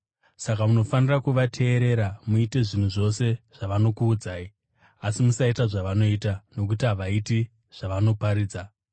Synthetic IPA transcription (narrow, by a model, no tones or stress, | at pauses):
sakauno̞fanirakuʋatʰe̞ːɾe̞ɾamuite̞ʐin̤uʐo̞se̞ʐ̥aʋano̞kuːd͡zaːi | asimusaitaʐaʋano̞itano̞k̬utiɦaʋaiti | ʐ̥aʋano̞paɾiːd͡za